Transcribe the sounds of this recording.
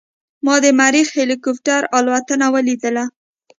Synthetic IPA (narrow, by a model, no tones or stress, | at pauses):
mɑd̪əmaɾixhelikʊp̚ʈaɾɑlwat̪ənawəlid̪əla